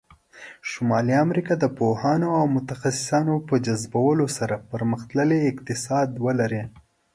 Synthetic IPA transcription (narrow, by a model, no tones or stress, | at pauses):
ʃʊmɑliamɾikɑd̪əpohɑnoawmʊt̪axasɪ̥sɑnopəd͡ʒazbawəlosaɾapəɾməxt̪ləleɪqt̪ɪsɑd̪wəlaɾe